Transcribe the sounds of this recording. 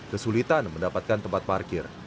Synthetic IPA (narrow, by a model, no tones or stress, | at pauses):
kəsulit̪anməndapat̪̚kant̪əmpat̪̚markɪr